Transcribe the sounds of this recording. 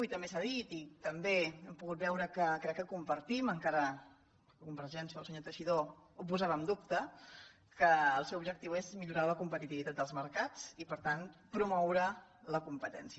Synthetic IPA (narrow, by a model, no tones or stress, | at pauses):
ujt̪əmbesaðit̪it̪əmbeɛmpuɣut̪̚bɛwɾəkəkɾɛkːəkumpəɾt̪iməŋkaɾə | əkumpəɾʃɛnsəəlsəɲot̪əʃiðoup̬uzaβəmd̪upt̪ə | kəːlˠsɛwubʒək̚t̪iwezmiʎuɾaləkumpət̪it̪iβit̪at̪d̪əlˠzməɾkat͡sipəɾt̪anpɾumɔwɾələkumpət̪ɛ̰nsiə